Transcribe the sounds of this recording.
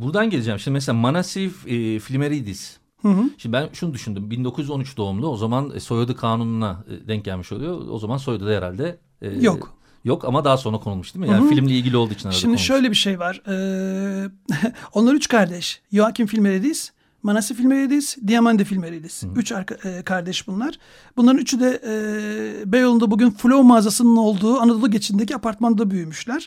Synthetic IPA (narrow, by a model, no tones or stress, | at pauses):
buɾd̪anɟeed͡ʒɛmʃimd̪imɛs̬elʲamanasiffilʲmeɾid̪iz̥ | hɯ̃ɦ̩ʃimd̪ibænʃunud̪yʃynd̪ymbind̪o̞kuzjyzo̞nyt͡ʃd̪o̞umd̪ˠuo̞zamanso̞jad̪ɯkʰaːnununa̰d̪ɛɲcɟælʲmiʃo̞lˠujo̞̰o̰zamanso̞jd̪ud̪aɛɾa̰lʲd̪ɛː | jok | jokʰa̰mad̪aːso̞nɾakʰo̞nulˠmuʃt̪d̪imijaːnifilʲimlʲiilʲɟilʲio̞lˠd̪uit͡ʃʰinaʃɾad̪immd̪iʃø̞jlʲebiʃejvaɾ̥ɯː | o̞nlˠaɾyt͡ʃkʰaɾd̪ɛʃjoacʰimfilʲmeɾed̪ejiz̥ | manasifilʲmeɾid̪ejiz̥d̪ijamand̪efilʲmeɾed̪ʲiizyt͡ʃaɾakʰaɾd̪ɛʃbunlˠaɾ̥ | bunlˠaɾɯnyt͡ʃʰyd̪ɛɛːbejolˠund̪abuɟynfulʲo̞maːzasɯnɯno̞lˠd̪uːanad̪olˠuɟe̞t͡ʃʰind̪ec̬iapʰaɾt̪mand̪abyjymyʃlʲæɾ̥